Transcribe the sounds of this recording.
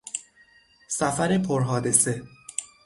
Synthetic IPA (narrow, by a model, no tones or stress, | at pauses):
sæfæɾepʰoɾɦɒːd̪e̞se̞